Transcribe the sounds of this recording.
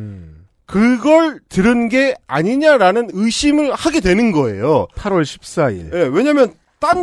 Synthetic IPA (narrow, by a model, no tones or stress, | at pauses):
kɯɡʌɭtɯɾɯnɡe̞aɲiɲaɾanɯnɯɕʰimɯɭhaɡe̞dwe̞nɯnɡʌe̞̰jopʰaɾwʌɭɕʰi̥p̚s͈aḭɭje̞we̞ɲamjʌn | t͈a